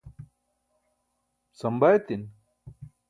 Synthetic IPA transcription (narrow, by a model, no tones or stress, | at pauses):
sɐmbajet̪in